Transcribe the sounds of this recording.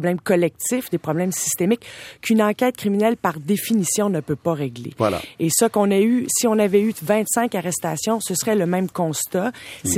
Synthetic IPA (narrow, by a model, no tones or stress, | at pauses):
blɛ̃mkɔlɛk̚t̪ɪfd̪epχɔblɛ̃msi̥st̪emɪkkʰynɑ̃kʲɛːt̪̚kχiminɛlpaʁd̪efinisjɔ̃nəpøpaʁeɡlḛva̰la̰esəkɔ̃nɛysiɔ̃navɛyvɛ̃t̪sɛ̃kaʁɛst̪asjɔ̃səsʁɛləmɛ̃mkɔ̃st̪as